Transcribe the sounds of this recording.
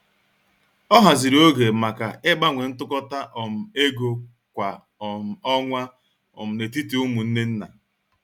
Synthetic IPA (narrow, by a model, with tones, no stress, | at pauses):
ɔ˦ɦa˨zi˨ɾo˦ɡe˨ma˨ka˨ɪ˦ba˦ŋʷe˨n̩˦tʊ˦kɔ˦ta˦ʔɔ˨m̩˨e˦ɡo˨ | kʷa˨ | ɔ˨m̩˨ɔ˦ŋʷa˦ | ɔ̰˨m̩˨ne˨ti˦ti˨u˦mu˨n̩˦ne˦n̩˦na̰˨